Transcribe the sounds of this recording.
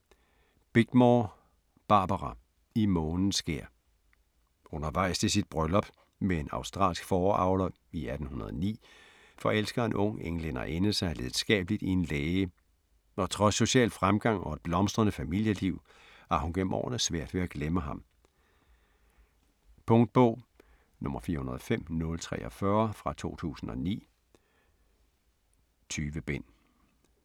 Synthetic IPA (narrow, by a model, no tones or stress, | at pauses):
b̥eɡ̥̚mɒː | b̥ɑ̈ːb̥ɐʁɑ | imɔːnn̩sɡ̥e̝̰ɐ̰ | ɔ̽nɐʋɑ̈ɪ̰st͡sʰe̝sid̥̚b̥ʁœlɒ̽b̥ | meenɑ̈ʊsd̥ʁɑ̰̈ːlsɡ̥fɒːɑ̰̈ʊlɐ | iæd̥n̩hunɐð̞ˠnḭː | fɒ̽el̰sɡ̥ɐe̝nʔɔ̽ŋ̰eŋlenɐ̰ʔenəsɑ̈ɪleð̩ˠsɡ̥ɛ̰ːb̥əlid̥ie̝nleːə | ɒ̽t͡sʰʁɒ̽sːo̝ɕɛ̰ːl̥fʁamɡ̥ɑ̈ŋ̰ɒ̽e̝d̥̚b̥lɒ̽msd̥ʁɐnəfæmil̰jəliʊ̰ | æɐhunɡ̥en̰m̩ɒ̰ːnəsʋæɐ̰d̥ʋe̝æɡ̥leməɦɑ̈m | pʰɔ̽ŋd̥̚b̥ɔ̰ʊ̰ | nɔ̽mɐfiːɐhunɐðˠfem̰nɔ̽lt͡sʰʁɛ̰ːɒfɶɐfʁɑ̈t͡sʰo̝̰ːt͡sʰṵːsn̩ɒ̽nḭː | t͡sʰyːʋəb̥en̰